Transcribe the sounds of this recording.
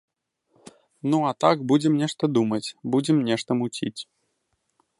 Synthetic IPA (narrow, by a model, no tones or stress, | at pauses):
nuat̪akbud͡zʲɛmnʲɛʂt̪ɐd̪umɐt͡sʲbud͡zʲɛmnʲɛʂt̪ɐmut͡sʲit͡sʲ